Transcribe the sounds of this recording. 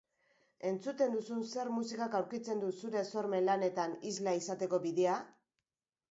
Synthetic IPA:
e̞nt͡sut̪e̞nd̪usunse̞ɾmusikakawɾkit͡se̞nd̪usuɾe̞so̞ɾme̞nlane̞t̪anizlaisat̪e̞ko̞βiðea

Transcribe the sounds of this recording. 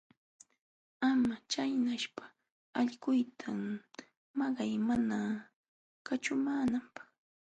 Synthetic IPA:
amat͡ʃajnaʃpḁ | aʎɢʊjt̪ʰam | mɑɢɑjmana | kat͡ʃʊmaːnampɑ̥χ

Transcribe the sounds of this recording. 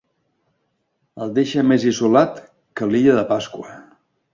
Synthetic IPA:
əlˠd̪eʃəmezizulat̪ | kəliʎəðəpaskwə

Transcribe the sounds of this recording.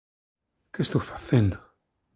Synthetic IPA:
kest̪owfḁθend̪o

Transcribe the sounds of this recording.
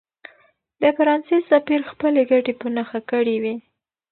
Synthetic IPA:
d̪̥əfaɾɑnsesapiɾxpəleɡaʈepənaxakəɽiwi

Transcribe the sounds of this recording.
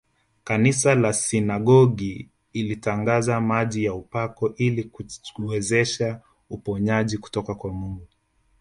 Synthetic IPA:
kanisalasinaɡɔɡi | ilitaŋɡazamaʄijaupakɔʔilikuwɛzɛʃa | upɔɲaʄiku̥tɔkakwamuŋɡu

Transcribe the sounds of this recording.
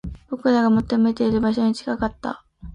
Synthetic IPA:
b̥o̞kɯ̟ɾaɡamo̞t̪ːo̞me̞t̪e̞iɾɯ̟baɕo̞ɲ̟it͡ɕi̥kakat̪ːa̰

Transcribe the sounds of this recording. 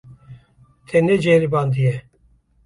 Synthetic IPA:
t̪ʰɛnɛd͡ʒeɾiband̪ijɛ

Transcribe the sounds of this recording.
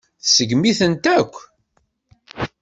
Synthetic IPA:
θsəɡmiθənt̪ækʷː

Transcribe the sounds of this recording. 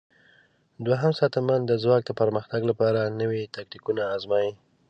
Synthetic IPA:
d̪waɦamsɑt̪amand̪əzwɑk̚d̪əpəɾməxt̪aɡlapɑɾanəwit̪ak̚t̪ikunaːzmɑji

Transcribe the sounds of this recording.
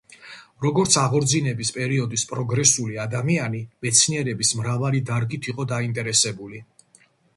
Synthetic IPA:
ɾɔɡɔɾt̪sʰaʁɔɾd̪zinɛbispʼɛɾiɔd̪ispʼɾɔɡɾɛsuliad̪amianimɛt̪sʰniɛɾɛbismɾavalid̪aɾɡit̪ʰiqʼɔd̪aint̪ʼɛɾɛsɛbuli

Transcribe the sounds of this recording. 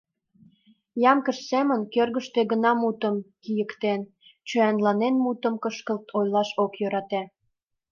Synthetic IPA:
jɑmkəʃsemənkørɣəʃt̪eɣənɑmut̪əmkijəkt̪en | t͡ɕøænlɑnenmut̪əmkəʃkə̆lt̪ʰojlɑʃokjøɾɑt̪æ

